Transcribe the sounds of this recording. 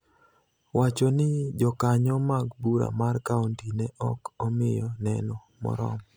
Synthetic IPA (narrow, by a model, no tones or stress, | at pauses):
wat͡ʃɔnɪd͡ʒɔkaɲɔmaɡbuɾa̰markauntinɛɔkɔmɪjɔnɛnɔ | mɔ̰ɾɔ̰m